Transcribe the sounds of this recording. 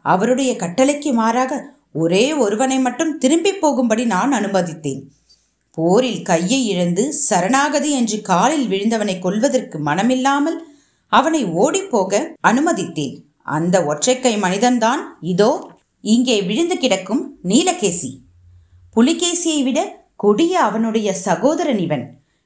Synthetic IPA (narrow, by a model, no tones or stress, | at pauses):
ɐʋɐɾɯɽɐjɐkɐʈːɐlɐɪkːɯmaːɾaːɣɐ | ɔɾeːɔɾɯʋɐnɐɪmɐʈːɯmt̪ɪɾɯmbɪpːoːɣɯmbɐɽinaːnɐnɯmɐðɪt̪ːḛːn | poːɾɪlkɐjːɐɪɪɻɐnd̪ɯsɐɾɐnaːɣɐðiɛndrɯkaːlɪlʋɪɻɯnd̪ɐʋɐnɐɪkːɔɭʋɐðɐrkɯmɐnɐmɪlːaːmɐl | ɐʋɐnɐɪoːɽipːoːɣɐɐnɯmɐðɪt̪ːḛːn | ʔɐ̰nd̪ɐɔʈrɐɪkːɐɪmɐnɪðɐnd̪aːnɪðoː | ɪŋɡeːʋɪɻɯnd̪ɯkɪɽɐkːɯmniːlɐkːeːsḭ | pʊlɪɣeːsɪjɐɪʋɪɽɐ | kʊɽɪjɐːʋɐnɯɽɐjɐsɐɣoːðɐɾɐnɪʋɐn